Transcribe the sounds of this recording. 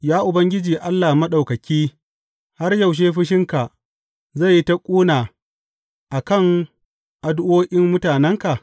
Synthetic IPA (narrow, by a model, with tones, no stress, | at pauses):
jaː˦ʔʊ˨bɐ˦ŋɡʲɪ˦d͡ʒiː˨ʔa˦lːaː˨mɐ˦ɗa˨wkɐ˨kʲiː˦ | ha˦rjɐ˨wʃ̬eː˦ɸɪ˦ʃɪ˦ŋka˨ | za˦˨jːi˦ta˦kʷʼuː˦naː˨ | ʔa˨kɐ˦˨ŋ | ʔa˨dʔoː˦ʔʲɪ˦mmʊ˦taː˨nɛ˦ŋka˨ʔ